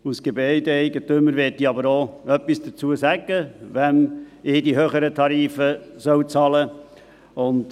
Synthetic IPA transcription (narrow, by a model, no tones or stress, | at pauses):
usɡ̥ebœɪdəɛɪɡətøməɾʋɛtdiɑbəɾoːœpːisd̥ət͡suəsæɡəʋɛnɪːdiɦøːχəɾətʰɑɾiːfəsœwt͡sɑlə | ʊnd